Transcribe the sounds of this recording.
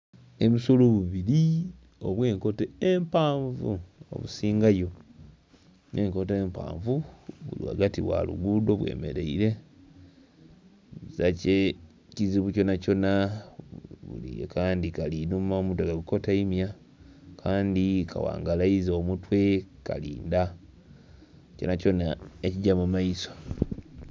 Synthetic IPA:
eβusoluβuβiɾi | o̰βwe̞ːŋko̞teempaːɱvṵo̰βusiːŋɡajo̞ | nʔeːŋko̞teempa̰ːɱvuβulḭwa̰ɡatiβwa̰lṵɡudo̞βwe̞̰ːme̞̰ɾe̞̰iɾe̞ | uzace | ciziβuco̞naco̞na | βṵlḭḛkaːndikalinumamutweɡaɡuko̞taimja | kʰaːndikʰa̰wa̰ːŋɡalaizoːmutwe̞ka̰lḭːnda | co̞naco̞naeciɟamumaiso

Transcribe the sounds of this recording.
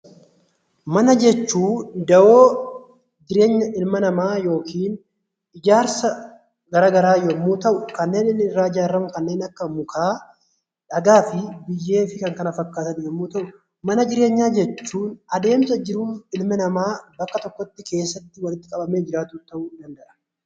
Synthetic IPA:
mɐnɐd͡ʒɛt͡ʃːuːd̪ɐʔo̞ː | d͡ʒɪɾe̞ːɲːɐʔɪlmɐnɐmaːjo̞ːkiːn | ɪd͡ʒaːɾsɐ | ɡɐɾaːɡɐɾaːjɔmːuːt̪ɐʔʊkɐnːe̞ːnɪnɪrːaːɪd͡ʒaːɾːɐmʊkɐnːe̞ːnɐkːɐmʊkʰaː | ᶑɐɡaːfɪbɪjːe̞ːfɪkɐŋkɐnɐfɐkːaːt̪ɐnjɛmːuːt̪ɐʔʊ | mɐnɐd͡ʒɪɾe̞ːɲːaːd͡ʒɛt͡ʃːuːnɐd̪e̞ːmsɐd͡ʒɪɾunɪlmɪnɐmaːbɐkːɐt̪ɔkːɔt̪ːɪke̞ːsːɐt̪ːɪwɐlɪt̪ːɪ̥kʼɐbɐmeːd͡ʒɪɾaːt̪uːt̪ːɐʔʊd̪ɐnd̪ɐʔɐ̥

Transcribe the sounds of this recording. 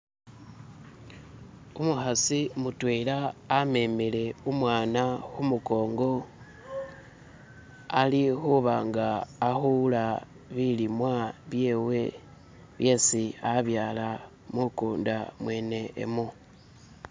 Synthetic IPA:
umuxasimutweːlaːme̞mele̞umwaːnaxumuko̞ːŋɡo̞ | alixuβaŋɡaːxula | βilimwaβje̞ːwe̞ | βje̞siaβjaːla | mukuːndamwe̞ːne̞̰ːmu

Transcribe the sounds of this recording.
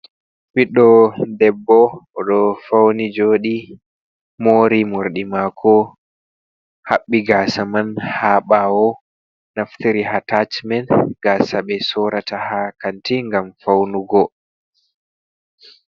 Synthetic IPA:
wiɗɔdɛbːɔʔɔɗɔfawnid͡ʒoːɗi | moːɾimoɾɗimakʰɔ | haɓːiɡaːsamanhaːɓawɔ | naftiɾiɦatat͡ʃmɛnɡaːsaɓɛsɔɾatahakantiŋɡamfawnuɡɔ

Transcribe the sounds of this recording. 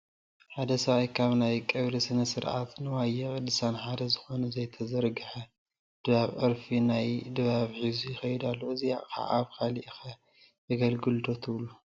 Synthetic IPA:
ħad̪ɐsɐβajkʰaβnajkʼɐβlisɨnɐsɨɾʕa̰t̪nɨwajɛχʼɨd̪ɨsanħad̪ɐzɨxo̞nɐzɐjt̪ʰɐzɐɾɡɨħɐ | d̪̥ɨβaβʔɨɾfinajd̪ɨβaβħizujɪxɐjd̪alːoɨzija̰ʔʼxa̰ʔaβkʰaliʔxɐ | jɨɡɐlɡɨld̪o̞t̪ʰɨβlːu

